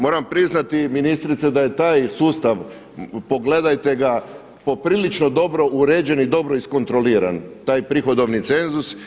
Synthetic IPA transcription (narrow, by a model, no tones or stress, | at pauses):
mo̞ːɾampɾiznat̪iminist̪ɾit̪sed̪aje̞t̪aːjsuːst̪aʋ | po̞ɡle̞d̪ajt̪e̞ɡa | po̞pɾiːlit͡ʃno̞d̪o̞bɾo̞ʔuɾeːd͡ʒe̞nid̪o̞bɾo̞isko̞nt̪ɾo̞liːɾa̰nt̪aːjpɾixo̞d̪o̞ʋnit̪se̞nzus